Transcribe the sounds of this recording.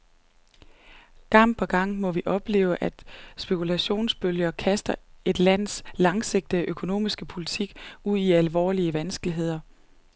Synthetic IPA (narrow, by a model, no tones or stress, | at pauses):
ɡ̥ɑ̈m̰pʰɒɡ̥ɑ̈ŋ̰mɒ̽ʋiʔɒ̽b̥le̝̰ːʊəʔæd̥sb̥e̝kʰulæɕo̝̰ːnsb̥øljɐkʰæsd̥ɐe̝d̥læn̰slɑ̈ŋse̝ɡ̥̚d̥əøkʰo̝no̝̰ːmisɡ̥əpʰo̝lit͡sʰiɡ̥uð̰ˠiælʋɒ̰ːliəʋænsɡ̥əliɦe̝ð̞̰ˠɐ